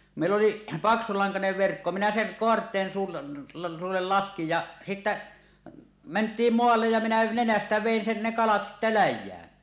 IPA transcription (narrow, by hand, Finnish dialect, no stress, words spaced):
meˑilː oli pɑksulɑŋkɑneʋ ʋerkːo minæ seŋ koɑrtˑeːn suːl suːulːel lɑskij jɑ sitːæ mentˑiːm moɑlːej jɑ minæ nenæstæ ʋeˑin sen ne kɑlɑt sitːæ læjˑæːn